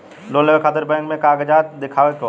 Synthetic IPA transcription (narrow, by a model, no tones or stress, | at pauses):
loːləɡekʰaːt̪əɾbɛ̃ːŋkmẽkaːɡəd͡ʒaːt̪̚d̪ɪkʰaːʋeko